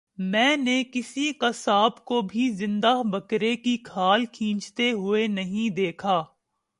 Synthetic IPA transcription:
mɛ̃ːnekɪsikasaːbkobʱizɪ̃nd̪abɐkɾekikʰaːlkʰĩːt͡ʃt̪eɦʊenɐɦĩd̪eːkʰaː

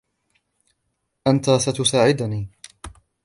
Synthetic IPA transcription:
ʔant̪aːsat̪ʊsaːʕɪd̪niː

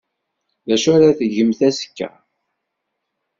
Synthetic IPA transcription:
ðæʃʊɾaθəʝəmθæsə̥kːæ̰

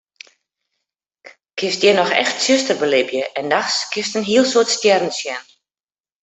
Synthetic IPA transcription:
kʰɪstjɛnɔxɛ̰xtsøstərbəlɪbjəʔɛndaxskʰɪstənɦiəlˠsoətstjɛrn̩sjɛn

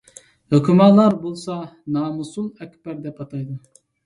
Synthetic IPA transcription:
høkʲymɑlˠːɑɾbolˠsɑnɑːmusulˠɛkʲbæɾd̪ɛpɑt̪ʰɑjd̪u

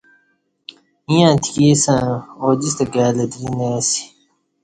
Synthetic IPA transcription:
ĩjãːt̪ʰi̥kiːsãːoːd͡ʑist̪ɐɡaːlɐd̪iɾineːsi̥

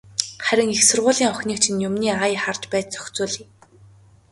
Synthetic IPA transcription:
χæɾʲɪ̆ŋixsʊrʁʊːɮiːŋɔxʲniːk̚t͡ɕʰɪ̆njʊmniːajχart͡ɕpæːt͡ɕt͡sœ̥xʲt͡sʊːɮiː

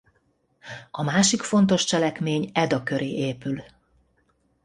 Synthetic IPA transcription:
ɒmaːʃikfo̞nt̪o̞ʃt͡ʃɛlɛkmeːɲɛd̪ɒkø̞ɾeːʔeːpyl

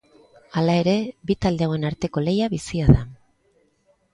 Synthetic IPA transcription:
alae̞ɾe̞bit̪ald̪e̞awe̞naɾt̪e̞ko̞le̞jaβisiaða

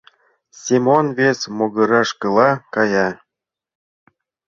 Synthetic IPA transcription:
sʲimonvʲesʲmoɡɤ̆ɾɑʃkɤlˠɑkɑjɑ

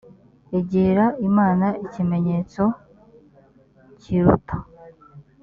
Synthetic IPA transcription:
eɟeːɾaimaːnaicime̞ɲe̞ːt͡so̞ | ciɾṵtḁ

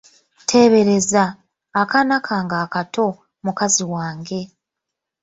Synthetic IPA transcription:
tʰe̞βe̞ɾe̞zaː | kanakʰaŋɡaːkatʰo̞ | mukaziwaːŋɡe̞

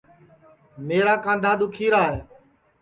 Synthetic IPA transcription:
meːɾaːkãːnd̪ʱaːd̪ʊkʰiːɾaːɦeː

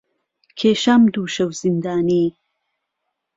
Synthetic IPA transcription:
kʰeːʃamd̪uːʃɐwz̥ind̪aːniː

